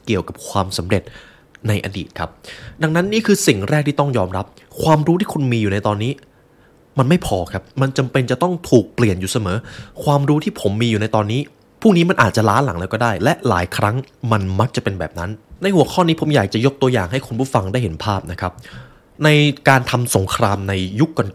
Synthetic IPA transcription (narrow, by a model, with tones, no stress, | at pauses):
ki˨˩əwka˨˩p̚kʰwaː˧msa˩˦mɾe˨˩t̪̚ | na˧jʔa̰˧dḭː˨˩t̪̚kʰa˦˥p̚da˧ŋna˦˥nːiː˥˩kʰɯː˧si˨˩ŋɾɛː˥˩k̚t̪iː˥˩t̪ɔ˥˩ŋjɔː˧mɾa˦˥p̚ | kʰwaː˧mɾuː˦˥t̪ʰiː˥˩kʰu˧nmiː˧juː˨˩na˧jt̪ɔː˧nːiː˦˥ | ma˧nma˥˩jpʰɔː˧kʰa˦˥p̚ma˧nt͡ɕa˧mpe˧nt͡ɕa˨˩t̪ɔ˥˩ŋt̪ʰuː˨˩k̚pli˨˩ənjuː˨˩sa˧mɤː˩˦kʰwaː˧mɾuː˦˥t̪ʰiː˥˩pʰo˩˦mːiː˧juː˨˩na˧jt̪ɔː˧nːiː˦˥ | pʰuː˥˩k̚niː˦˥ma˧nʔaː˨˩t̪̚t͡ɕa˨˩laː˦˥la̰˩˦ŋlɛː˧wkɔː˥˩daː˥˩jlɛ˦˥ʔla̰ː˩˦jkʰɾa˦˥ŋma˧nma˦˥k̚t͡ɕa˨˩pe˧nbɛ̰ː˨˩p̚na˦˥nːa˧jhu˩˦ɐkʰɔː˥˩niː˦˥pʰo˩˦mjaː˨˩k̚t͡ɕa˨˩jo˦˥k̚t̪u˧ɐjaː˨˩ŋɦa˥˩jkʰu˧npʰuː˥˩fa˧ŋda˥˩jhe˩˦npʰaː˥˩p̚na˦˥kʰa˦˥p̚ | na˧jkaː˧nt̪ʰa˧mso˩˦ŋkʰɾaː˧mna˧jju˦˥kːɔ˧n